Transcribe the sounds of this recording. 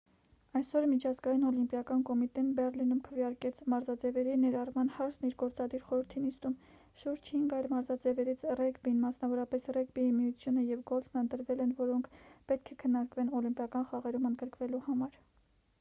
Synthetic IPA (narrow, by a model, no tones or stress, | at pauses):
ɑjsɔɾmit͡ʃʰɑzɡɑjinɔlimpjɑkɑnkɔmit̪ɛnbɛrlinumkʰəvjɑɾkɛt͡sʰmɑɾzɑd͡zɛvɛɾinɛɾɑrmɑn̪hɑɾt͡sʰniɾɡɔɾt͡sɑd̪iɾχɔɾəɾt̪ʰinist̪um | ʃuɾd͡ʒhiŋɡɑjɾmɑɾzɑd͡zɛvɛɾit͡sʰrɛkbinmɑsnɑvɔɾɑpɛsrɛɡbiimijut͡sʰjunəjɛvɡɔlt͡sʰməənt̪əɾvɛlɛnvɔɾɔŋkʰpɛt̪̚kʰɛkʰənːɑɾkvɛnɔlimpjɑkɑnχɑʁɛɾumənd̪ɡəɾkvɛluhɑmɑɾ